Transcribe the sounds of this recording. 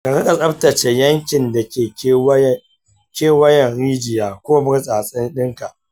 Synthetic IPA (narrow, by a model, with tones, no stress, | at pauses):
ka˨ɾɪ˦ka˨sʼɐ˦ptɐ˨t͡ʃe˨jɐ˦ŋkʲɪ˨nda˨kʲeː˨˦˨ | kʲeː˦wɐ˦jɛ˨nɽiː˦d͡ʒɪ˨jaː˨kʷoː˦bɪ˦ɾsʼaː˨sʼɪ˦nɗɪ˦ŋka˨ʔ